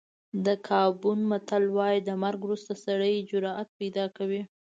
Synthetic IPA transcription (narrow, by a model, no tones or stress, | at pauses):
d̪əkʰɑbunmat̪alwɑjd̪əmaɾɡwɾust̪asaɽəjd͡ʒʊɾɑʔat̪̚pajd̪ɑkawi